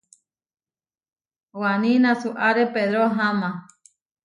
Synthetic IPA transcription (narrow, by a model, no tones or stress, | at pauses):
wanĩnãsuʔaɾepeðɾoɦamã